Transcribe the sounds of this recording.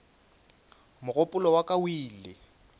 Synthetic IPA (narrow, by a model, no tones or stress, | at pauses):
mʊɣʊpʼʊlɔwakʼawiːlɪ